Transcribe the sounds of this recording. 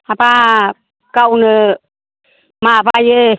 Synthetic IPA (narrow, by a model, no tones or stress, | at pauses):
apa | kawnə | mabajə